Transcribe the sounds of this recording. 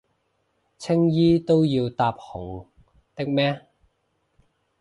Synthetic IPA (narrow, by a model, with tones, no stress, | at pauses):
t͡sʰɪ˥ŋjiː˥t̪o˥wjiː˧wt̪aː˧p̚hʊ˨˩ŋ | t̪ɪ˥k̚mɛː˥